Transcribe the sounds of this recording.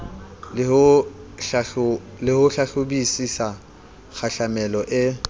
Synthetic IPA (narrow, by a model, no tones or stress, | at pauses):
lhʊa | lɪhʊɬaɬʊbisisa | k͡xʰaɬamɛlɔʔɪ